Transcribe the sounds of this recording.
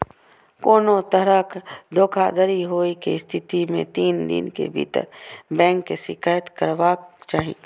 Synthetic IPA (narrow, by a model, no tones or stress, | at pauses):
koːnot̪əɾəkd̪ʱoːkʰa̰ːd̪əɾiɦoːikḛɪst̪ʰɪt̪imḛ̃t̪iːnd̪ɪ̰nkḛbʱḭːt̪ə̰ɾbɛ̃ːŋkːeʃɪkaːjət̪kəɾʋat͡ʃaːɦḭ̃e